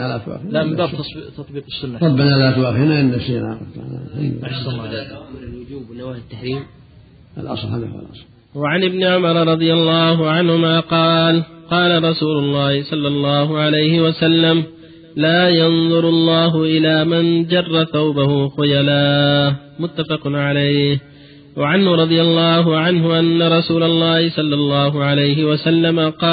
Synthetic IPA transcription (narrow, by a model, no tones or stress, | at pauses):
alat̪wa̰ːfilabaːb̪t̪ɑt̪ˤbiːqɪsːʊnːt̪ˤɑbɪnalat̪waːfinaʔɪnːaʃina̰t̪a̰na̰ha | lwʊd͡ʒuːbwnawaːhɪt̪ːaħɾiːm | ʔa̰lʔɑ̰sˤlhala̰hlʔɑsˤl | waʕanʔɪbnɪʕʊmɑɾˤɑɾˤɑd̪ˤɨjalˤːɑːɦʊʕanhʊmaːqɑːlqɑːlaɾˤɑsuːlʊlˤːɑːhɪsˤɑlːɑlˤːɑːhʊʕalajhɪwasalːam | laːjɑnðˤʊɾʊlˤːɑːɦʊʔɪlaːmand͡ʒɑrˤːɑθawbahʊxʊjalaː | mʊt̪ːafɑqʕalajh | waʕanhʊɾˤɑd̪ˤɨjalˤːɑːɦʊʕanɦʊʔanːaɾˤɑsuːlɑlˤːɑːhɪsˤɑlːɑlˤːɑːɦʊʕalajɦɪwasalːamaqɑː